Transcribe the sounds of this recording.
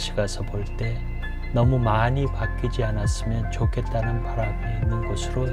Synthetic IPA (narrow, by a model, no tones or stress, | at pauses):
ɕʰiɡasʰʌpoɭte̞ | nʌmumanipak͈ːid͡ʑianas͈ɯmjʌnt͡ɕokʰet̪ːanɯnpʰaɾaɡoinːɯnɡʌsʰɯɾo